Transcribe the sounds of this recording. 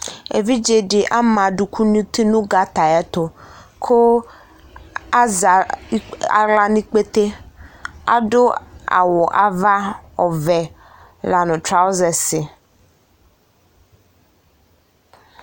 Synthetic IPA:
ḛ˨vi˦d͡ʒe˨ɖɪ˨ʔa˦mã˨ɖu˨kʰu˦nũ˦t̪i˦nũ˦ɡa˦t̪a˨ja˦t̪o˦kʰo˦ | a˦za˨˦ | a̰˨la˦nĩ˦k͡pe˦t̪e˦ | a̰˦ɖʊ˦a̰˨wʊ˨ʔa˨va˦ɔ˨vɛ˨ | la˨nʊ̃˨t̪ɾa˦wo˦zɛ˨sɪ˨

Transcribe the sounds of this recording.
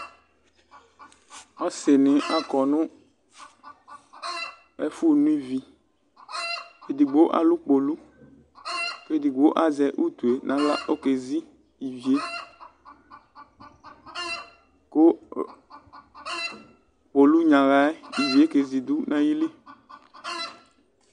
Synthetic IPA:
ɔ˦sɪ˨nɪ̃˨ʔa˦kɔ˨nʊ̃˦ | ɛ˦fu˦˨nũ˦i˦vi˨ | e˨d̪i˨ɡ͡bo˦ʔa̰˨lu˦k͡po˨lu˦ | ape˨d̪i˨ɡ͡bo˦ʔa˨zɛ˨ʔu˦t̪u˨e˨nʔã˨˦la˦ʔo˦ke˨zi˦ | i˨vi˨e˦ | ko˦ | k͡po˨lu˦ɲã˨la˨ɛ˦i˨vi˨e˦ke˨zi˨d̪u˦nã˦ji˦li˦

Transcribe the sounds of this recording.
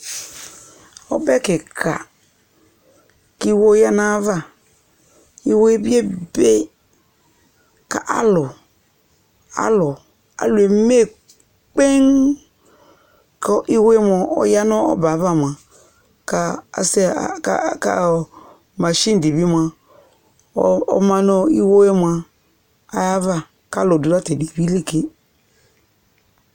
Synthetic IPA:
ɔ̰˦bɛ˦kɪ˨kʰa̰˨ | ki˦wo˦ja˦na˦va˦˨ | i˦we˦bi˦e˦be˦ | ka̰˨ʔa̰˦lʊ˨ | a̰˦lʊ˨ | a̰˨˦lu˨e˨me˦˨ | k͡pe˦ŋ | ka˦ʔi˦wo˦e˦m˦ɔ˨ɔ̰˨˦ja˦nɔ˦ɔ̰˦ba˨˦va˦˨mʷ˨a˨ | ka˦a̰˨se˦˨˦ka̰˨ | ma˨ʃĩ˦n˨di˨bi˦mʷ˦˨a˨˦ | ɔ̰˦mã˦nɔ˦i˦wo˦e˦m˨a˨ | a˨ja˦va˦ | ka˦lʊ˨du˨ɾa˦te˨di˨bi˦le˦ke˦

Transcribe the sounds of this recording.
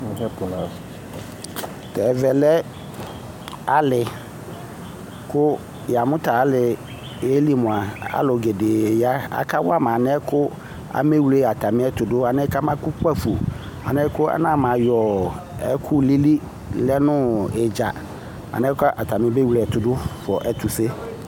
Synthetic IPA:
ɛ˦pʊ˨la˨ | tɛ˨vɛ˨lɛ˦ | a˦lɪ˨ | kʰʊ˦ | ja˨mʊ̃˦ta˨a˦lɪ˨ | e˦li˦˨mʊ̃˨a˨a̰˦lɔ˨ɡe˨de˨ja˦a̰˨kʰa˦wa˦mã˨nɛ˦kʰʊ˦ | a̰˨me˦wu˨le˦˨a˨tʰa˨mɪ̃˦ɛ˦tʊ˨dʊ˦a˨nɛ˦ka˦mã˦kʊ˦ka˦fu˨ | a̰˨nɛ˦kʊ˦a̰˦nã˦˨mã˨jɔ˨ | ɛ̰˦kʰʊ˦li˦li˦ | lɛ˦nʊ̃˦ɛ˨d͡ʒa˨ | a̰˨nɛ̃˦ka˦ʔa˨tʰa˨mɪ̃˦be˦wu˨le˨ɛ˨tʊ˨dʊ˦fɔ˨ʔɛ˨tʰʊ˨se˦

